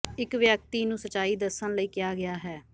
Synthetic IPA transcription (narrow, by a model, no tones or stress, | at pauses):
ɪkʋjək̚t̪iːnũːsət͡ʃaːiːd̪əɾsənləiːkɪjaːɡɪjaːɦɛː